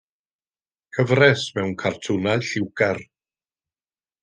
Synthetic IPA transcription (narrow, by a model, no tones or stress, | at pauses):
kʰəvrɛsmɛwnkʰartʰʊnalɬɪwɡɛr